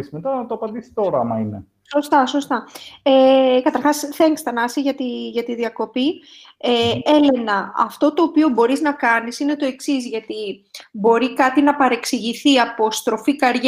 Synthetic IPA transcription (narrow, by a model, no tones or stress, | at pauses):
smet̪ɐt̪oɐpɐnd̪isi̥t̪oɾɐɐmɐine | so̞st̪ɐso̞st̪ɐekɐt̪ɐɾxɐsθe̞ŋst̪ɐnɐsiʝɐt̪iʝɐt̪iðiɐko̞pi | ee̞le̞nɐɐ̰ft̪o̞t̪o̞ːpio̞bo̞ɾiznɐkɐnisine̞t̪o̞e̞ksizʝɐt̪ibo̞ɾikɐt̪inɐpɐɾe̞ksiʝiθiɐpo̞st̪ɾo̞fikɐɾʝ